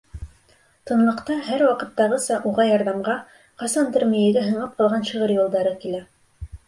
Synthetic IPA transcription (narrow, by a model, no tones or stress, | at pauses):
t̪ɤ̆nlˠɤ̆qt̪ɑɦæɾwɑqɤ̆t̪ːɑʁɤsɑʔuʁɑjɑɾðɑmʁɑ | qɑsɑnt̪ɘ̆ɾmijɘ̆ɡæɦɤ̆ɴlˠɑp̚qɑlˠʁɑnʃɤ̆ʁɤɾjulˠd̪ɑɾɤkilæ